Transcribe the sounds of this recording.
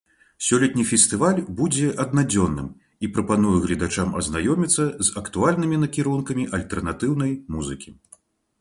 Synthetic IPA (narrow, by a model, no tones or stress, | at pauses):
sʲɔlʲɛt̪̚ʲnʲifʲɛst̪ɨvalʲbud͡zʲɛʔɐd̪̚nad͡zʲɔnːɨ̰m | ipɾɐpan̪ujɛɣlʲɛd̪at͡ʂamɐ̰znajɔmʲit̪sːɐzɐkt̪ualʲnɨmʲinɐkʲiɾunkɐmʲiʔɐlʲt̪ɛrnat̪ɨwnɐjmuzɨkʲi